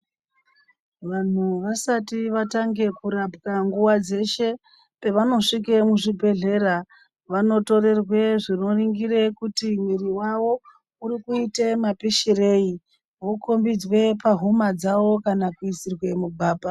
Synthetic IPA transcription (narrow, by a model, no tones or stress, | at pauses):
ʋan̤uʋasatiʋataŋɡe̞kuɾapkaŋɡuwad͡ze̞ʃe̞ | pe̞ʋano̞ʂik̬emuʐibʱe̞ɮe̞ra | ʋano̞to̞re̞rwe̞ʐino̞riŋɡiɾe̞kutimwiriwawo̞ | uɾikuite̞mapiʃire̞i | ʋoko̞mbid͡zwe̞paɦumad͡zawo̞kanakuisirwe̞mubʱaːba